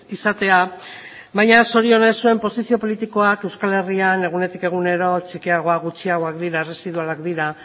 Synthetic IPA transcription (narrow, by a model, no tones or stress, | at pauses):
isat̪e̞a | βajɲaso̞ɾio̞ne̞sue̞mpo̞sisio̞po̞lit̪iko̞ake̞wskale̞riane̞ɣ̞une̞t̪ike̞ɣ̞une̞ɾo̞t͡ʃikiaɣ̞o̞aɣut͡ʃiaɣo̞akd̪iɾaere̞siðualakd̪iɾa